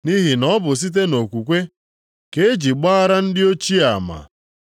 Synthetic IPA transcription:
ni˦ɦi˨nɔ˦bʊ˨s̬i˦t̬e˦no˨kʷu˨kʷe˦ | ke˦d͡ʒi˨ɡ͡ba˦a˦ɾa˦n̩˦dɪ˦o˦t͡ʃi˦a˨ma̰˨

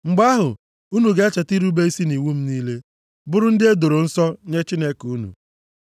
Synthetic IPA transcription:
ŋ͡m̩˨ɡ͡ba˦ɦʊ˨ | u˦nu˨ɡe˨a˦t͡ʃe˨ti˦ɾu˦be˦i˦si˦ni˨wu˦m̩˦niː˦le˦ | bʊ˦ɾʊ˦n̩˦dɪ˦e˦do˨ɾo˨n̩˦sɔ˦ɲe˦t͡ʃi˦ne˦ku˦nṵ˨

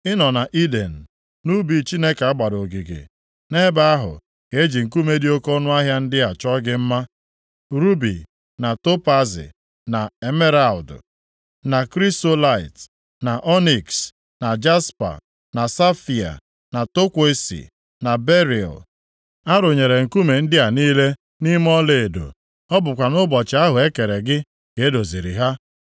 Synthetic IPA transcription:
ɪ˦nɔ˨na˨ʔi˦de˨n̩˨ | nu˦bi˨t͡ʃi˦ne˦ka˨a˦ɡ͡ba˨ɾo˨ɡi˨ɡḛ˨ | ne˦ba˦a˦ɦʊ̰˨ | ke˨e˦d͡ʒi˨ŋ̩˨ku˦me˦di˦o˦kɔ˦nʊ˦a˦ɦja˦n̩˦dɪ˦a˨t͡ʃɔ˦ɡɪ˦m̩˦ma˦ | ɾu˦bḭ˨ | na˨to˦pa˦zɪ̰˨ | na˨e˨me˦ɾa˨ldʊ˨ | na˨kɾi˦sto˦la˦˨ɪ˨t | na˨ʔɔ˦ni˨ks | na˨d͡ʒa˦spa̰˨ | na˨sa˦fi˨a̰˨ | na˨to˦kʷe˦e˦sḭ˨ | na˨be˦ɾḭ˨l | a˦ɾʊ˨ɲe˨ɾe˨ŋ̩˨ku˦me˨n̩˦dɪ˦a˨niː˦le˦ | ni˦m˦ɔ˦le˨e˨do̰˨ | ɔ˦bʊ˨kʷa˨nʊ˦bɔ˨t͡ʃɪ˨˦a˦ɦʊ˨e˦ke˨ɾe˨ɡɪ˦ | ke˨e˦do˨zi˨ɾḭ˨ɦa˦

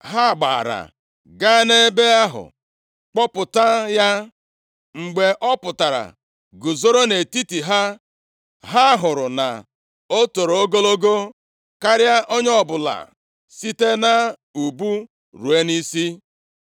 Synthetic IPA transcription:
ɦa˦˨ɡ͡ba̰ː˨ɾa̰˨ | ɡa˦ne˦be˦a˦ɦʊ̰˨ | k͡pɔ˦pʊ˨ta˦ja˦ | ŋ͡m̩˨ɡ͡be˨ʔɔ˦pʊ˨ta˨ɾa̰˨ | ɡʊ˨zo˦ɾo˦ne˨ti˦ti˨ɦa˦ | ɦa˦ɦʊ˨ɾʊ˨na̰˨ | o˦to˨ɾo˨o˦ɡo˦lo˦ɡo˦ | ka˦ɾja˦ʔo˦ɲ˦ɔ˦bʊ˨la̰˨ | si˦te˦na˦ | u˨bu˦ | ɾu˨e˦ni˦si˦

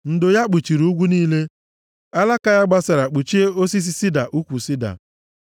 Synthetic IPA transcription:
n̩˨dʊ˨ja˦k͡pu˨t͡ʃi˨ɾu˨˦ɡʷu˦niː˦le˦ | a˦la˦ka˦ja˦ɡ͡ba˦sa˨ɾa˨k͡pu˨t͡ʃi˦e˦o˦si˦s̬i˦si˦da˨ʔu˦kʷu˨si˦da̰˨

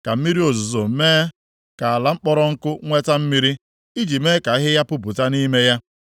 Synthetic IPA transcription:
ka˨m̩˦mi˦ɾi˦o˨zu˨zo˨m̩˦meː˦ | ka˨a˨la˨ŋ͡m̩˦k͡pɔ˦ɾɔ˦ŋ̩˦kʊ˦ŋʷe˦ta˦m̩˦mi˦ɾi˦ | i˦d͡ʒi˨me˦ka˨˦ɦɪ˦ja˦pʊ˦p̬ʊ˨ta˦ni˦me˦ja˦

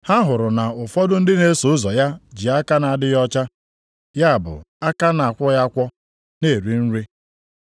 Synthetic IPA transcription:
ha˦ɦʊ˨ɾʊ˨na˨ʊ˨fɔ˦dʊ˦n̩˦dɪ˦ne˨˦so˨ʊ˦zɔ˨ja˦d͡ʒi˨a˦ka˦na˨a˨dɪ˦jɔ˦t͡ʃa˦ | ja˦a˨bʊ̰˨ | a˦ka˦na˨a˨kʷɔ˦ja˦kʷɔ˦ | ne˦˨ɾi˦n̩˦ɾe˦

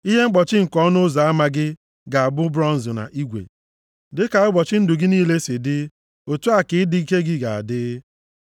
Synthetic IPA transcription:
i˦ɦe˦ŋ͡m̩˦k͡pɔ˨t͡ʃɪ˦ŋ̩˨kɔ˦nʊ˦za˨a˦ma˦ɡɪ˦ | ɡa˨a˨bʊ˦bɾɔ˦n̩˨zʊ˨na̰˨ʔi˦ɡʷḛ˨ | dɪ˦ka˨ʊ˦ɡ͡bɔ˨t͡ʃɪ˦n̩˦dʊ˨ɡɪ˦niː˦le˦sɪ˨dɪ˦ | o˨tu˦a˨kɪ˨ɪ˦dɪ˦i˦ke˦ɡɪ˦ɡa̰˨a̰˨dɪ˦

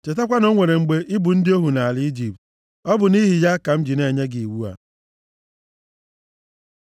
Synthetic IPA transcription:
t͡ʃe˨ta˦kʷa˦no˦ŋʷe˨ɾe˨ŋ͡m̩˨ɡ͡be˦ʔɪ˦bʊ˨n̩˦dɪ˦o˦ɦu˨na˨a˨lɪ˦i˦d͡ʒi˨p̚t̚ | ɔ˦bʊ˨ni˦ɦi˨ja˦ka˨m̩˦d͡ʒi˨ne˨ɲe˦ɡi˨i˨wu˦a̰˨

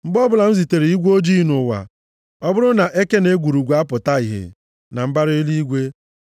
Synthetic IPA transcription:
mŋ͡m̩˦ɡ͡bɔ˦bʊ˦la˨n̩˦zi˨te˨ɾi˨i˦ɡʷo˦d͡ʒi˦nʊ˨wa̰˨ | ɔ˦bʊ˦ɾʊ˦na˨ʔe˦ke˦ne˦ɡʷu˨ɾu˨ɡʷa˦pʊ˨ta˦i˨ɦḛ˨ | na˨m̩˦ba˦ɾe˦li˦ɡʷe˦

